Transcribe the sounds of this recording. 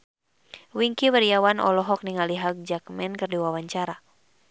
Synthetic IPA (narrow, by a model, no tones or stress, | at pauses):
wiŋkiwəɾijawanʔɔ̰lɔɦɔk̚niŋaliɦaɡ̚d͡ʒakmɛnkɨrdiwawaɲt͡ʃaɾa